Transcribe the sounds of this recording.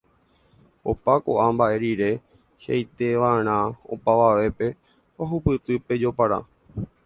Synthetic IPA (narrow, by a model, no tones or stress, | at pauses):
o̞pako̰ʔambaʔe̞ɾiɾe̞ | ʃḛjt̪eʋaeɾ̃ão̰paʋaʋe̞pe̞ | oɦupɨt̪ɨpe̞d͡ʒo̞paɾa̰